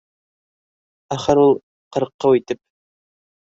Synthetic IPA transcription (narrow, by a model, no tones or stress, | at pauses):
æχɘɾulˠ | qɤ̆ɾqːɑwit̪ɘp̚